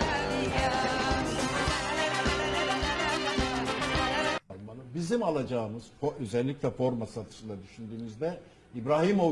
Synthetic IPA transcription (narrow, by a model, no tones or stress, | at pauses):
ɾmbanɯbizimalˠad͡ʒaːɯmɯz̥oøzɛlʲːicʲlʲɛfo̞ɾmasat̪ʰɯ̥ʃɯlˠad̪yʃynd̪yːmyzd̪ɛ | ibɾaːhimo